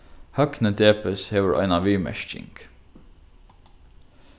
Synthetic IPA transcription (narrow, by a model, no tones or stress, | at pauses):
hɑknəd̪eːpəsheːʋəɹʔæ̰ɪnɑʋiːmɛ̰ʃt͡ʃɪ̰ŋɡ̥